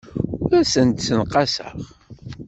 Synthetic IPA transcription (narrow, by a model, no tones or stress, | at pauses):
ɾæsənt̪sənqɑsə̰ʁ